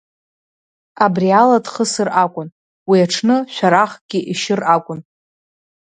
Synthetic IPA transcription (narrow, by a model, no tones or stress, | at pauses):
abrialadχəsɨrakʷʼʊn | wiaʈ͡ʂʰnɨʃʷᶣaɾaχɡ̥ʲiʔiʃɪrakʷʼʊn